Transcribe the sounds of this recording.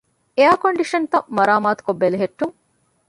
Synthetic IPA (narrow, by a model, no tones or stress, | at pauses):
eaːkoɳɖiʃɐnt̪ɐmɐɾaːmaːt̪u̥kobːeleɦeʈːuŋ